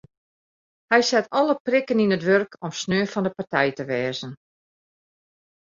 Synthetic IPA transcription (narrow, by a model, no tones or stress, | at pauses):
hɛjsɛtʰɔləprɪkəninətʋørkʰɔmsnøːfɔndəpartɛjtəʋɛːzən